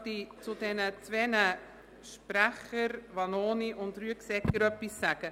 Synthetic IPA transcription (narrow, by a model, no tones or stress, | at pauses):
dit͡sʊdɛnət͡svɛnə | ʃpɾæχəɾvɑnoːniʔʊntɾyəksɛkːəɾœpːisːaɡ̥ə